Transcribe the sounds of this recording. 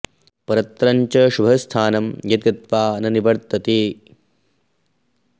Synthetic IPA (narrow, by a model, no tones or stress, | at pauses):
pɐɾɐt̪ɾɐɲt͡ʃɐʃubʱɐst̪ʰaːnɐmjɐd̪̚ɡɐt̪ʋaːɐnɐniʋɐɾt̪ɐt̪eː